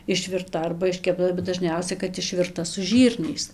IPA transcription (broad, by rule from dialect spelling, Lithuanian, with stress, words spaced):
ɪʃʲʋʲɪrˈtɐ ɐrbɐ ɪʃʲkʲɛpˈtɐ bʲɛt dɐˈʒʲnʲɛʊsʲɛ kɐt ɪʃʲʋʲɪrˈtɐ sʊ ˈʒʲiːrʲnʲɛɪs